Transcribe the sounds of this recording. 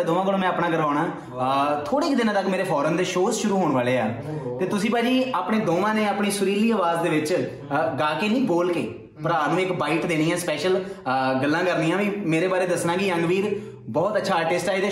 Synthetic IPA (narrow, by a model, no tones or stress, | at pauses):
d̪oːʋãːkəlõːmɛ̃ːaːpnãːɡəɾʋaːʊɽ̃ãː | t̪ʰoːɽeːɪkd̪ɪnãːt̪əkmeːɾeːpʰɔːɾənd̪eːʃoːsʃʊɾuːɦoːɳ̃ʋaːleːa̰ː | t̪eːt̪ʊsĩːpaːd͡ʒiːaːpɽeːd̪oːʋãːneːaːpɳiːsʊɾiːliːəːʋaːzd̪eːʋɪt͡ʃ | ɡaːkeːnĩːboːlkḛː | pəɾaːnũːɪkbaːɪʈd̪eːñiːɛːspɛːʃəlɡəlːãːkəɾniːãːʋĩːmeːɾeːbaːɾeːd̪əsnãːɡiəŋɡʋiːɾ | bɔːt̪ətːʃʰaːʈesʈaːed̪eː